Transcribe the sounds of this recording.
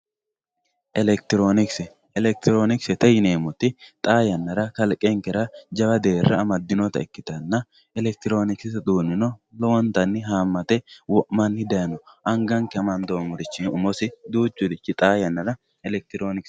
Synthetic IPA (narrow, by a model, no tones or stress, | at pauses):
ʔɛlɛk̚t̪ɪɾoːnɪksɛ | ɛlɛk̚t̪ɪɾoːnɪksɛt̪ɛjɪneːmɔt̪ːɪt̪ʼaːjɐnːɐɾɐkɐlkʼːɛŋkɛɾɐd͡ʒɐbɐd̪eːrːɐːmɐd̪ːɪnɔt̪ɐ̰ɛkːɪt̪ɐnːɐ | ɛlɛk̚t̪ɪɾo̞ːnɪksɪsd̪uːnːɪnɔlɔwɔnt̪ɐnːɪɦaːmːɐt̪ɛwɔʔmɐnhɪd̪ɐjnɔʔɐŋɡɐŋkɛɐmɐnd̪oːmʊɾɪt͡ʃːɪnʊmɔsɪd̪uːt͡ʃːʊd̪ɪt͡ʃːɪt̪ʼaːjɐnːɐɾɐ | ɛlɛk̚t̪ɪɾoːnɪks